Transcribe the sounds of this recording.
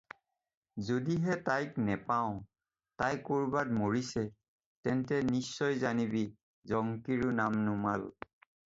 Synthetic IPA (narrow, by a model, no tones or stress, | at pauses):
zodiɦɛtajknɛpaʊ̃ | tajkoɹbadmoɹisɛ | tɛntɛnisːɔjzanibi | zɔŋkiɹunamnʊmal